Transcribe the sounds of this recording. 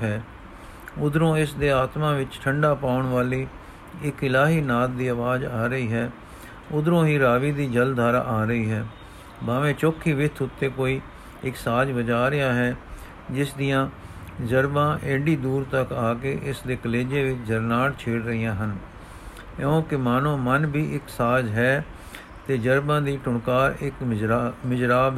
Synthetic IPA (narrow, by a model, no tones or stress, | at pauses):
ɦɛː | ʊd̪ɾõːɪsd̪eːaːt̪mãːʋɪt͡ʃʈʰəɳɖaːpaːʊɳʋaːliː | ɪkɪlaːɦiːnaːt̪̚d̪iːəʋaːd͡ʒaːɾəiːɦɛː | ʊd̪ɾõːɦiːɾaːʋiːd̪iːd͡ʒəld̪ʱaːɾa̰ːʔaːɾəiːɦɛː | baːʋẽːt͡ʃoːkʰːiːʋɪt̪ʰʊt̪ːeːkoːiː | ɪksaːd͡ʒbəd͡ʒaːɾɪjaːɦɛː | d͡ʒɪsd̪ijãːd͡ʒəɾbãːʔeːɖiːd̪uːɾt̪əkaːkeːʔɪsd̪eːkəleːd͡ʒeːʋɪt͡ʃd͡ʒəɾnaːɽt͡ʃʰeːɽɾəɦijãːɦən | õːkɪmaːnõːmənbiːʔɪksaːd͡ʒɦɛː | t̪eːd͡ʒəɾbãːd̪iːʈʊɳkaːɾɪkmɪd͡ʒɾaːb